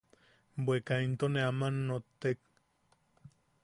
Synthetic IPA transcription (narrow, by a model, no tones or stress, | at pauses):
bwekaint̪oneamanːot̪ːek̚